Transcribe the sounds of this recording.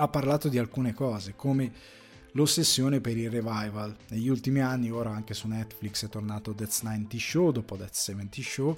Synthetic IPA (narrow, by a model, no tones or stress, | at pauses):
apːarlaːt̪od̪ialkuːnekɔːzekoːme | losːesːjoːnepeɾilrevajvalneʎːiult̪imianːioːɾaaŋkesunɛt̪ːfliksɛt̪ːornaːt̪od̪ɛt̪snajnt̪iʃod̪ɔːpod̪ɛt̪ssɛvɛnt̪iʃo